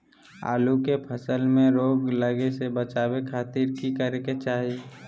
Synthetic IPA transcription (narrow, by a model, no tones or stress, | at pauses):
a̰ːlukepʰəsəlmẽɾoːɡləɡesebət͡ʃaːwekʰaːt̪iːɾkikəɾeket͡ʃaːɦie